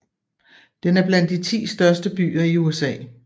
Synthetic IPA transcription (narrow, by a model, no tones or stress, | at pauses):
d̥enæɐb̥læn̰d̥ːit͡sʰḭːsd̥ɶɐsd̥əb̥y̰ːɐiuesɛ̰ː